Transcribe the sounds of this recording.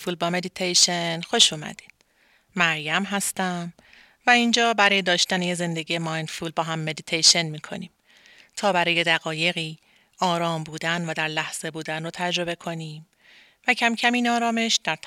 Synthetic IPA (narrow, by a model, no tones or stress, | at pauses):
fuːlbɒːme̞d̪it̪ʰejʃe̞nxo̞ʃuːmæ̰d̪̥i̥ːd̪̥ | mæɾjæmɦæst̪æm | væind͡ʒɒːbæɾɒːje̞d̪ɒːʃt̪ænejeze̞nd̪eɟijemɒːjnd̪fuːlbɒːɦæmːe̞d̪it̪ʰejʃe̞nmiːkʰo̞̰niːm | t̪ʰɒːbæɾɒːje̞d̪æɣɒːje̞ɣiː | ʔɒːɾɒːmbuːd̪ænvæd̪æɾlæhz̥e̞buːd̪ænrot̪ʰæd͡ʒɾo̞be̞kʰo̞niːm | væcʰæmcʰæmiːnɒːɾɒːme̞ʃd̪̥æɾt̪ʰ